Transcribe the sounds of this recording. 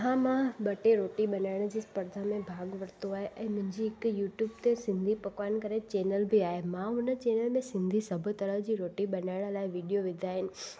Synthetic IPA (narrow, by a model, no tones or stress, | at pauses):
ɦãmãɓɐʈeɾoːʈiɓɐnaːɪɽ̃d͡ʑiːspɐɾd̪ʱəmẽbʱaːɡʋɐɾt̪oaːɦeʔɛ̃ːmʊ̃ɦɪ̃ɲd͡ʑiɦɪkjuːʈjuːbt̪esɪ̃nd̪ʱipɐkʋaːɪnɪ̆kɐɾet͡ɕeːnəlbɪaːɦemãɦʊnə̆t͡ɕeːnəlmẽsɪ̃nd̪ʱisɐbʱʊ̆t̪ɐɾəɦd͡ʑiːɾoːʈiɓɐnaːɪɽ̃laːɪʋiːɖijoʋɪd̪ʱaːɦɪnɪ̆